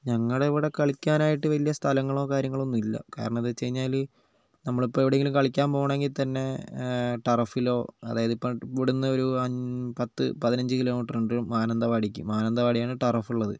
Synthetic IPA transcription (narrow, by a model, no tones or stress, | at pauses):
ɲɐŋːɐɭeiʋiɽe̞kɐɭikʲːaːnaːjiʈːɨʋɐlijɐst̪ʰɐlɐŋːɐɭo̞ːkaːɾjɐŋːɐɭo̞nːumilːɐ̰ka̰ːɾɐɳɐmɐðɨt͡ɕe̞jɲːaːl | nɐmːɐɭipːoːeʋiɽeŋɡilumkɐɭikʲːaːmpoːɳe̞ŋɡilt̪ɐnːe̞ | ʈɐrɐfilo̞ːɐ̰ða̰ːjɐðipːopiɽunːɨo̞ɾuɐpɐt̪ːɨ̰pɐðinɐɲd͡ʑɨkilo̞ːmiʈːruɳɖmaːnɐnd̪ɐʋaːɽikʲːṵmːaːnɐnd̪ɐʋaːɽijaːɳɨʈɐrɐfuɭːɐðɨ